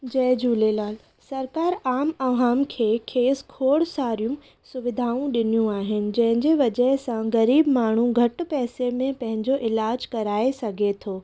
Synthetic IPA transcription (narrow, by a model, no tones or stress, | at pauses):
d͡ʑɐːd͡ʑuːlelaːl | sɐɾkaːɾaːmɐʋaːmkʰeːkʰeːskʰoːɽsaːɾijʊ̃m | sʊʋɪd̪ʱaːũɗɪnijũaːɦɪnɪ̆d͡ʑɐ̃ɦɪ̃ɲd͡ʑeʋɐd͡ʑəɦɪsãɣɐɾiːbmaːɳ̤ũɡʱɐʈ̆pɛːsemẽpɐ̃ɦɪ̃ɲd͡ʑoʔɪlaːd͡ʑkɐɾaːesɐɡʱet̪ʰoː